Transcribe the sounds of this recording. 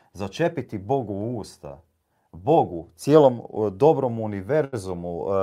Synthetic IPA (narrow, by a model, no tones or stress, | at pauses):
zat͡ʃe̞pit̪ibo̞ɡuuːst̪a̰ | bo̞ɡut̪sjeːlo̞md̪o̞bɾo̞muniʋe̞ɾzumu